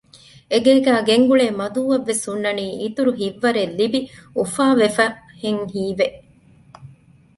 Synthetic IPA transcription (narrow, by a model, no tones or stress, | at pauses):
eɡeːɡæːɡeŋɡuɭeːmɐd̪uːʋɐʋːesunːɐniːʔit̪uɾuɦiʋːɐɾelːibiufaːʋefɐheŋhiːʋeʔ